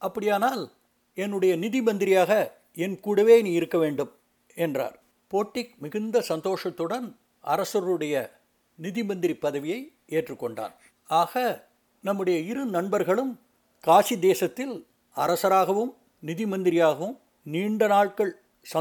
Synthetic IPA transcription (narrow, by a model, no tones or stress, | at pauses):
ʔɐpːɐɽɪjaːnaːl | ɛnːɯɽɐjɐnɪðɪmɐnd̪ɪɾɪjaːɣɐ | ɛnkuːɽɐʋeːniːɪɾɯkːɐʋeːɳɖɯm | ɛndra̰ːɾ | poːʈːɪk̚mɪɣɯnd̪ɐsɐnd̪oːʂɐt̪ːɯɽɐn | ʔɐ̰ɾɐsɐɾɯɽɐjɐ | nɪðɪmɐnd̪ɪɾɪpːɐðɐʋɪjɐɪ | eːʈrɯkːɔɳɖa̰ːn | aːɣɐ | nɐmːɯɽɐjɐɪɾɯnɐɳbɐɾɣɐɭɯm | kaːsid̪eːsɐt̪ːɪl | ɐɾɐsɐɾaːɣɐʋɯm | nɪðɪmɐnd̪ɪɾɪjaːɣɐʋɯm | niːɳɖɐnaːɭkɐɭ | sɐ